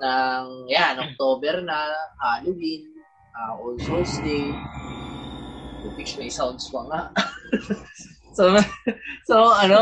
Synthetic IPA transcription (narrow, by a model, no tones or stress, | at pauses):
nɐŋjanʔok̚t̪oːbɛɾnɐhaːlowin | ʔaʔolsosd̪ɛ | pupit͡ʃmɐjsawnd̪spɐŋaʔ | so | soɐno